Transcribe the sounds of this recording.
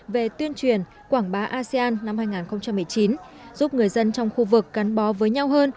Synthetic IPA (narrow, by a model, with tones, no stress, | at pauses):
ve˨˩t̪wi˧ənt͡ɕwi˨˩ən | kwaː˧˩ŋɓaː˨˦ʔaː˧si˧aː˧nːa˧mhaː˧jŋaː˨˩nxə˧ŋ͡mt͡ɕa˧mːɨ˨˩əjt͡ɕi˨˦n | zu˦˥p̚ŋɨ˨˩əjzə˧nt͡ɕɔ˧wŋ͡mxu˧vɨ˨˩k̚ɣa˨˦nɓɔ˨˦vəː˨˦jɲa˧wɦəː˧n